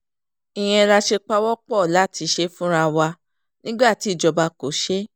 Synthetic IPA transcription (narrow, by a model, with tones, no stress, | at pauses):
ĩ˨j̃ɛ̃˧ɾa˧ʃe˧k͡pa˧˦wɔ˦k͡pɔ˦˨la˨˦˨tʰi˧˦ʃe˧fũ˦ɾa˧wa˧ | nĩ˦ɡ͡ba˦˨ti˨˦˨d͡ʒɔ˧ba˧ko˨˦ʃe˦